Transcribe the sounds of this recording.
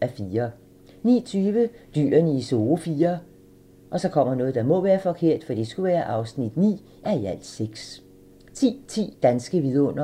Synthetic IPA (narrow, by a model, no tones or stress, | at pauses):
æfiːɐ | nḭːt͡sʰyːʋəd̥y̰ːɐnəiso̝ːfiːɐ | ʔɒ̽sɒ̽kʰɒ̽m̰ɐnɔ̽ːð̞̩ˠd̥ɑ̈mɔ̽ʋæːɐfɒ̽kʰe̝ɐ̰d̥fɒd̥ḭsɡ̥uʋæːɐʔɑ̈ʊsnid̥nḭː | ʔæɐiæl̰̥seɡ̥s | t͡sʰḭːt͡sʰḭːd̥ænsɡ̥əʋiðˠɔ̽n̰ɐ